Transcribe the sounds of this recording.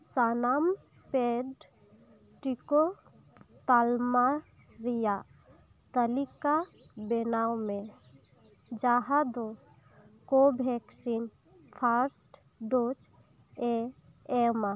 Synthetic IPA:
sanam | peɖ | ʈiko | t̪alma | ɾija | t̪əlika | benawmẽ | d͡ʒaɦad̪o | kobʱɛksin | pʰaɾsʈ | ɖot͡ʃ | e | ema

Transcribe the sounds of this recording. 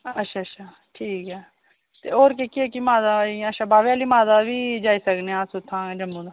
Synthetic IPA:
əʃʰaːət͡ʃʃʰaː | ʈʰiːkɛː | t̪eːoːɾkekiekimaːd̪aiəʃʰaːbaːʋeaːlimaːd̪aːʋiːd͡ʒaːiːsəkneãːsʊt̪ʰːãːd͡ʒəmbũːd̪aː

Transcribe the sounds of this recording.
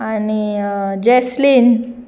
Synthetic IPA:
anid͡ʑɛslin

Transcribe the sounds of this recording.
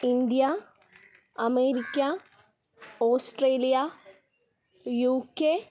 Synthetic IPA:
ind̪ijɐ | ɐmeːɾikʲːɐ | oːsʈreːlijɐ | juːkːe

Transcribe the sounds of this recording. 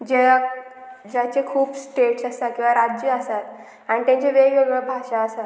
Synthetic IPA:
d͡ʑea | d͡ʑat͡ɕekʰuːpsʈeʈsasakĩw̃ʋaɾad͡ʑəəsat̪ | aɽ̃it̪ãɲt͡ɕeʋeɡɭeɡəbʱaʂaəsa

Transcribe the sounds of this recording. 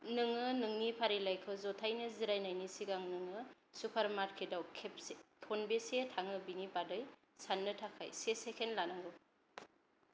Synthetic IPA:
nɯŋɯnɯŋnipʰaɾilajkʰɯzɔtʰajnɯziɾajnajnisiɡaŋnɯŋɯ | supʰaɾmatkʰedawkʰeptʰonbesetʰaŋɯbinipadɯj | sanːɯtʰakʰa̰jsesekʰenlanɯŋɡɯ

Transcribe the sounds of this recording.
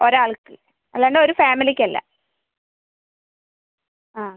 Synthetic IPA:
oɾaːɭkːɨ | ɐlːɐɳɖoɾufaːmilikʲːɐlːɐ̰ | aː

